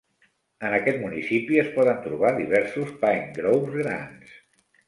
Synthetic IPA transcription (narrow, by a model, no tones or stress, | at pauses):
ənəkɛt̪munisipiəspɔðənt̪ɾuβ̞aðiβɛɾsuspaŋɡɾowpzɣɾa̰ns